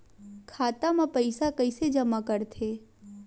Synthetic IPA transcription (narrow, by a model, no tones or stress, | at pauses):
kʰaːt̪amãpəɪsakəɪsed͡ʒɐmakəɾt̪ʰeː